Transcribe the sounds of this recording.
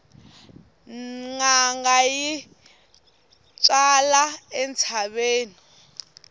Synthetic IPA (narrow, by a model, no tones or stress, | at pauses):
ŋaŋɡaji | t͡sʼalaɛnt͡sʰaβeːni